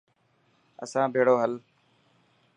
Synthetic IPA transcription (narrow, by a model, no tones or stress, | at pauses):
ə̰sãːbʱeːɽoːɦəl